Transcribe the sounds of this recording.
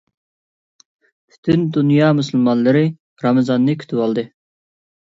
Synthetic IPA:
pʰy̥t̪ʰynd̪unjɑmusɨlˠmɑnlːˠɨɾɨ | ɾɑmɨzɑnːɨkʲʰy̥t̪ʰypɑlˠd̪ɨ

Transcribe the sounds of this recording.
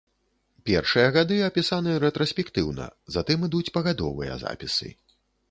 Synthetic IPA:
pʲɛrʂɨjɐɣad̪ɨɐpʲisanɨɾɛt̪ɾɔsʲpʲɛkt̪ɨwnɐ̰zat̪ɨmɨd̪ut͡sʲpɐɣad̪ɔvɨ̰jɐ̰za̰pʲisɨ̰

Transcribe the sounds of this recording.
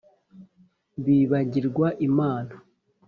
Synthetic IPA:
βiːβaɟiɾɡwaʔimaːna

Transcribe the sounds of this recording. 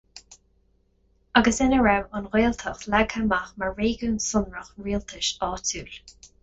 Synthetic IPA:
aɡəsɪnəɹɛwɑnɣeːlt̪ʰəxlɛɡhamaxmaɹɹeːɡuːnsʊnɹəxɹiːlt̪ʰɪʃɑːtʰuːl

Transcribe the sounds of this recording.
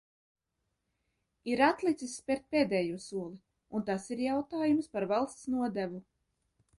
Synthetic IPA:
iɾat̪lˠit̪sisːpʲɛɾt̪̚peːd̪ɛːjuːsuɔlˠi | unt̪asiɾjawt̪aːjumspaɾvalˠst̪snuɔd̪ævu

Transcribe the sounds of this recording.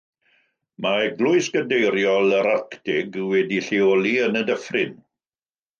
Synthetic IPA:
maɛɡlʊɨsɡədejɾjɔlˠəɾarktɪɡwɛdiɬiɔlˠiənədəfrɪn

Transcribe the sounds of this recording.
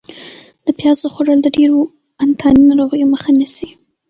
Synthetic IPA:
d̪̥əpjɑzoxoɽəld̪əɖeɾo | ant̪ʰɑninaɾoɣəjoməxanasi

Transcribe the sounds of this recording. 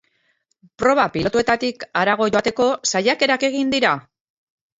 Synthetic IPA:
pɾo̞βapilo̞t̪ue̞t̪at̪ikaɾaɣ̞o̞ʝo̞at̪e̞ko̞sajake̞ɾake̞ɣind̪iɾa

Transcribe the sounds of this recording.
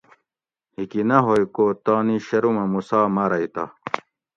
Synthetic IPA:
hikinɐɦojkoːt̪aːniɕɐɾumɐmusaːmɐɾɐit̪a̰

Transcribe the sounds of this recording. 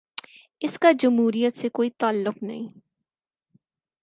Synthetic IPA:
ɪskad͡ʒʊmɦuːɾijət̪sekoːit̪aːlːʊqnɐ̰ɦĩː

